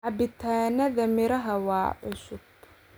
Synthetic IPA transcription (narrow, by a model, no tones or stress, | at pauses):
ʔɐbɪt̪ʰaːnɐðɐmɪɾɐɦɐwɑ̰ːʔʊsʊb